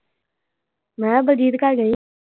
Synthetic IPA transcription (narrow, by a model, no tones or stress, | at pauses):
mɛ̃ːbəd͡ʒiːd̪kəɾɡəi